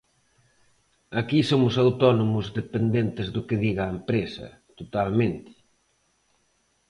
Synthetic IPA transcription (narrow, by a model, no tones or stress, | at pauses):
akisomʊsawt̪ɔnomʊzðepend̪ent̪ɪzðʊkɪðiɣaːempɾesɐ̰ | t̪ot̪almẽnt̪ɪ̥